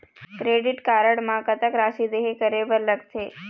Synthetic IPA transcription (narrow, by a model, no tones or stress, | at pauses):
kɾeːɖɪʈkaːɾəɽmãkət̪əkɾaːʃid̪eːɦekəɾebəɾlɐɡt̪ʰeː